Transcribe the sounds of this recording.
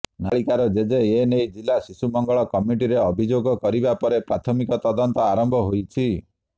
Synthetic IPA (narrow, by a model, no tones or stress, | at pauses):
naɭikaɾɔd͡ʒed͡ʒeenejd͡ʒilːasisumɔŋɡɔɭɔkɔmiʈiɾeɔbʱid͡ʒoɡɔkɔɾibapɔɾepɾat̪ʰɔmikɔt̪ɔd̪ɔnt̪ɔaɾɔmbʱɔɦojt͡ʃʰi